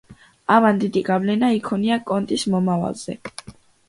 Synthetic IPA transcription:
amand̪id̪iɡavlɛnaikʰɔniakʼɔnt̪ʼismɔmava̰lˠz̥ɛ̰

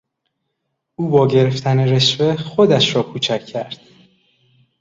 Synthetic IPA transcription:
ʔuːbɒːɟe̞ɾe̞ft̪ʰæne̞ɾe̞ʃve̞xod̪æʃɾɒːkʰuːt͡ʃʰæcʰːæɾd̪̥

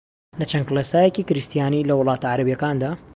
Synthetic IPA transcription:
lɐt͡ʃɐnklesaːjeciːkɪɾɨst̪jaːniːlɐwʊlˠɑːt̪aʕaɾɐbijɐkaːnd̪aː

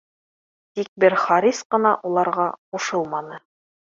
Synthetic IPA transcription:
t̪ik̚bɘɾχɑɾisqɤ̆nɑʔulˠɑɾʁɑquʃɤlˠmɑnɤ

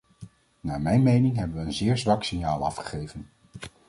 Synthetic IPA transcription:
naːmɛjnmejnɪŋɦɛbənʋəənzɪːɹzʋɑksɪŋjaːlˠɑ̰fχə̥χejvən

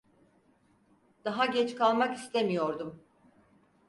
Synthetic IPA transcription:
d̪̥aɦaɟɛt͡ʃkalˠmakist̪ʰemijo̞ɾd̪um

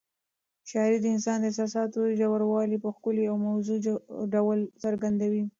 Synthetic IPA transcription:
ʃɑɪɾid̪əɪnsɑnd̪əɪs̬ɑsɑt̪od͡ʒawaɾwɑlipəxkʊliawmawzuɖawlsaɾɡand̪awi

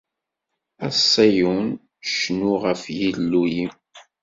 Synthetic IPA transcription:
æsˤːæjun | ʃnuʁəfjilːujim

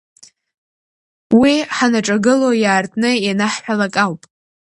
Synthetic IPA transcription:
wiħanaʈ͡ʂʼaɡɨlojaːrtʰʼnɨjanaħħʷᶣalakʼawpʼ

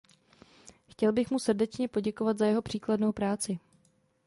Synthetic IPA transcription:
xcɛlbɪxmusrdɛt͡ʃɲɛpo̞ɟɛko̞vat̪zajɛɦo̞pr̝̥iːkladno̞wpɾaːt͡sɪ

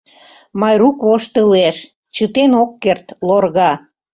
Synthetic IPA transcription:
mɑjɾukβoʃt̪əleʃ | t͡ɕət̪enokːert̪lorɣɑ

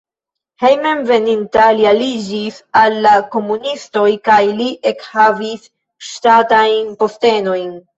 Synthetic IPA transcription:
he̞jmemve̞nintalialid͡ʒisalːako̞munisto̞jkajliʔe̞khavis | ʃtatajnpo̞ste̞no̞jn

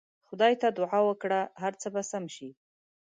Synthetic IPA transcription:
xʊd̪ɑjt̪ad̪ʊʕɑwəkɽaɦaɾt͡səbasamʃi

